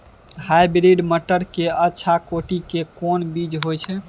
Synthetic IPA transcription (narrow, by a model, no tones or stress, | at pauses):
ɦajbɾiɖməʈəɾkeətːʃʰakoʈikekɔnbid͡ʒɦojt͡ʃʰɛ